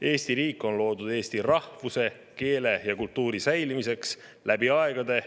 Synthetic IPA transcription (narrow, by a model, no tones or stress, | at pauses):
e̞ːst̪iɾiːkːˑo̞nlo̞ːd̪ud̪e̞ːst̪irɑhvuse̞ | ke̞ːle̞jɑkult̪ːuːɾisæjlimise̞ks | læb̥iɑeɡ̥ɑd̪̥e̞